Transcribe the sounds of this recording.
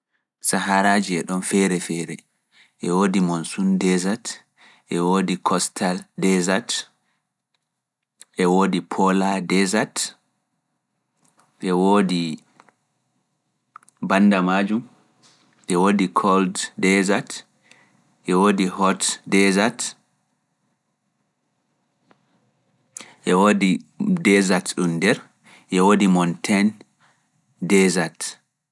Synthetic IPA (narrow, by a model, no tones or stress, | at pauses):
saɦaɾaːd͡ʒiɛɗɔnfɛɾɛfɛːɾɛ | ʔɛwoːdimonsundɛzat | ʔɛwodikʰɔstʰaldɛzat | ʔɛwoːdipʰɔladɛzat | ɓɛwoːdi | bandamad͡ʒum | ʔɛwodikʰɔlddɛzat | ʔɛwoːdihɔtdɛzat | ʔɛwodidɛzatɗumdɛɾ | ʔɛwoːdimɔntʰɛn | dɛzat